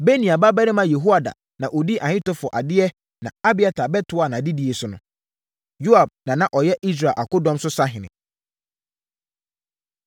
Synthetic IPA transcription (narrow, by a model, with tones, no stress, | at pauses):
be˦nĩ˨a˨ba˦bɛ˦ɾɪ̃˦mã˦jɛ˨ɦu˦a˨da̰˨ | nã˨ʔo˨di˦ʔa˨hɪ̃˦tɔ˦fɔ˨ʔa̰˨dɪ˦ɛ˦ | nã̰˨a˦bɪ˨˦a˨tʰa˨bɛ˦tʰʊ˨˦a˨nã˨a˨di˦di˨e˨sʊ˨nʊ̰̃˨ | ju˦a˨b̚nã˨nã˨ʔɔ˨jɛ˦ʔi˦s̬ɾa˨ʔa̰˨kʊ˦dɔ̃˦msʊ˦sa˦ɦɪ̃˨nɪ̰̃˨